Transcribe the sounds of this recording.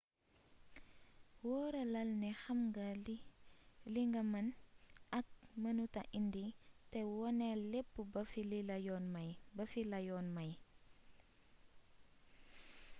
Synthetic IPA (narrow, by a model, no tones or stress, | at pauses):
wɔːɾɐlɐlnɛxɐmɡɐ | liŋɡɐmɐnɐk̚mɐnutɐʔinditɛwɔnɛlepːubɐfilijɔnmɐjbɐfilɐjɔːnmɐj